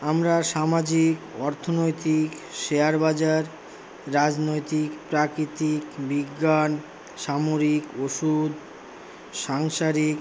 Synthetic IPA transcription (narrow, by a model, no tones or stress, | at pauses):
amɾaʃamad͡ʑikɔɾt̪ʰonojt̪ik | ʃeaɾbad͡ʑaɾː | ad͡ʑnojt̪ikpɾakɾit̪ikbiɡːan | ʃamoɾikoʃud̪ | ʃaŋʃaɾik